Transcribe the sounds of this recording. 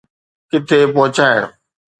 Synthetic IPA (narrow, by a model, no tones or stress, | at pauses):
kɪt̪ʰepɔɦʊt͡ɕaːɪɽ̃ʊ̰